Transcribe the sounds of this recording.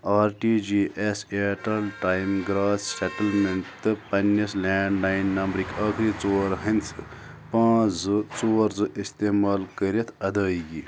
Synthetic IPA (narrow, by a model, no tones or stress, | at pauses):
aːɾʈid͡ʒiʔeseʈɐlʈajmɡɾaːsseʈɐlment̪ɨpɐnːɐsleːɳɖnainːɐmbɾikʰəkʰɾit͡soːɾɦɐnt͡sʰɨ | pãːt͡sd͡zɨt͡soːɾd͡zɨʔist̪eːmaːlkəɾjet̪ʰɐd̪əːiɡi